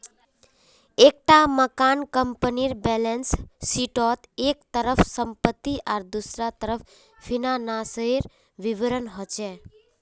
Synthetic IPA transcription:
ek̚ʈaməkankəmpəniɾbɛlensːiʈɔt̪ekt̪əɾəfsəmpət̪ːiʔaɾd̪usɾat̪əɾəf | finanasəiɾ | ʋiʋəɾənɦət͡ʃe

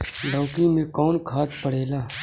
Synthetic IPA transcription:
ɖɔːkimẽkɔːnkʰaːt̪pəɽ̤eːlaː

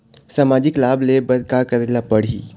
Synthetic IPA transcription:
samaːd͡ʒɪklaːblebɐd̪̚kakəɾelapəɽ̤ḭː

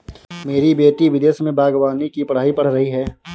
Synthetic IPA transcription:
meːɾibeːʈiʋɪd̪eːsmẽbʱaːɡwaːnikipɐɽ̤aːipɐɽ̤ɾɐɦiɦɛː

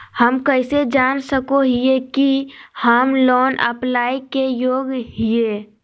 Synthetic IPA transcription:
həmkəɪsed͡ʒaːnsəkoɦiekihəmlɔːnə̰plaːikejoːɡɦie

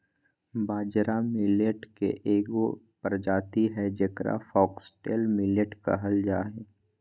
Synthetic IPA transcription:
baːd͡ʒɾamɪləʈkḛʔeːɡo | pəɾd͡ʒaːt̪iɦɛd͡ʒɐkɾa̰fɔːksʈɛːlmɪləʈka̰ɦɐld͡ʒaːɦɛː

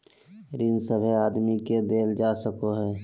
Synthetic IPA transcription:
ɾɪnsəbʱeaːd̪miked̪eːld͡ʒaːsəkoɦɛː

